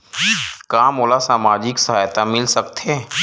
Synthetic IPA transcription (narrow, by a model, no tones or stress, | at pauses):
kaːmoːlasaːmaːd͡ʒɪksɐɦaːjt̪amɪlsɐkt̪ʰeː